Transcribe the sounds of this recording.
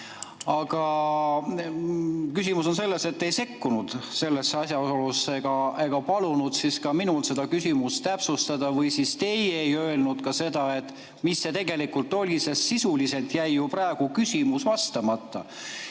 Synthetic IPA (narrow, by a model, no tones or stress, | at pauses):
ɑɡ̥ɑ | kysʲimuso̞nse̞lːe̞set̪ːe̞jse̞kːunud̪̥se̞lːesːeɑsʲjɑolusːeɡ̥ɑe̞ɡ̥ɑpɑlunud̪siskɑminulse̞d̪ɑkysʲimust̪æpsust̪ɑd̪̥ɑvɤjsist̪e̞jejø̞elnud̪̥kɑse̞d̪̥ɑe̞t̪ːˑ | misːe̞t̪e̞ɡ̥e̞likult̪ːˑo̞lʲisesːisulise̞lt̪jæjːuprɑeɡ̥ukysʲimusvɑst̪ɑmɑt̪ːɑ